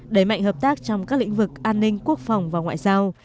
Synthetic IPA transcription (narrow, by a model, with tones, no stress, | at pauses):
ɗə˧˩jma̰˧˨jŋ̟həː˨˩p̚t̪aː˦˥k̚t͡ɕɔ˧wŋ͡mkaː˦˥k̚lḭ˧˥ŋ̟vɨ˨˩k̚ʔaː˧nːï˧ŋku˦˥ək̚fɔ˨˩wŋ͡mvaː˨˩wŋwa̰ː˧˨jzaː˧w